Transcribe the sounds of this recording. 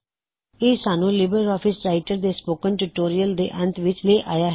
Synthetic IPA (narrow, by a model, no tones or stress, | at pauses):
eːsaːnũːlɪbəɾɾɔːpʰɪsɾaːɪʈəɾd̪eːspoːkəɳʈuːʈoːɾijəld̪ḛːʔə̃nt̪ʰʋɪt͡ʃleːʔaːjaːɦ